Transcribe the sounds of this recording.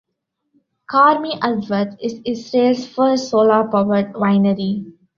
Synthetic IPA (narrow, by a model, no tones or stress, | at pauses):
kaːɾmiʔəɖʋət̪ɪzɪsɾeːlsfəsoːlaːpɔʋəʈʋãɪnəɾi